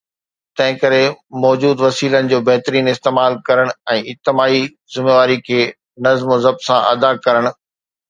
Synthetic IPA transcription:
t̪ɐ̃ɦɪ̃kɐɾemɔːd͡ʑuːd̪ʋɐsiːlənɪ̆d͡ʑoːbɐɦt̪ɾiːnɪst̪eːmaːlkɐɾəɽ̃ɛ̃ːɪt̪ːɪmaːi | zɪmeːʋaːɾikʰeː | nɐzmozɐb̚sãʔɐ̰d̪akɐɾəɽ̃̆

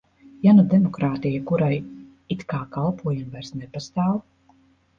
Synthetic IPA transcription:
janad̪ɛmɔkɾaːt̪ijakuɾaj | it̪kaːkalˠpʰuɔjamvajɾsnɛpast̪aːw

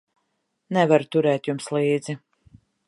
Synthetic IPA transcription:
nɛvaɾut̪uɾɛːt̪jumslˠiːd̪zi

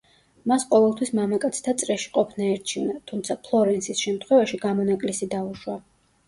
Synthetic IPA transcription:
masqʼɔvɛlˠt̪ʰwismamakʼat̪sʰt̪ʰat̪sʼɾɛʃi̥qʼɔpʰnaɛɾt͡ʃʰivnat̪ʰumt̪sʰapʰlˠɔɾɛnsʰisʃɛmt̪ʰχwɛvaʃiɡamɔnakʼlisid̪auʃwa

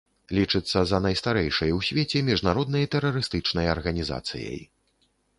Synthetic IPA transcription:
lʲit͡ʂɨt̪sːɐzɐnɐjst̪aɾɛjʂɐjwsʲvʲet͡sʲɛmʲiʐnaɾɔd̪̚nɐjɐt̪ɛɾɐɾɨst̪ɨt͡ʂnɐjɐrɣɐnʲiza̰t̪sɨ̰jɐ̰j

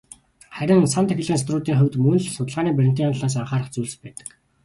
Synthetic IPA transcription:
χæɾʲɪ̆nsant̪ʰæxɪ̆ɮɣiːnst̪rʊːt̪iːŋχʊwʲt̪mɵnɮsʊt̪ə̆ɮʁaːniːpærʲɪ̆nt̪iːanɮaːs̬aɴχaːɾə̆χt͡suːɮspæːt̪ə̥̆k

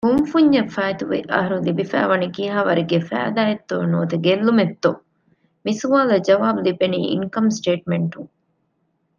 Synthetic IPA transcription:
humfuɲd͡ʒɐfaːjt̪uʋḛʔɐ̰ɦɐɾulibifæ̰ːʋɐnikiːɦaːʋɐɾiɡefæ̰ːd̪aːjet̪ːoːnoːt̪eɡelːumet̪ːo | misuʋaːlɐd͡ʒɐʋaːbulibeniːḭŋkɐmsʈeːʈmeɳʈuŋ

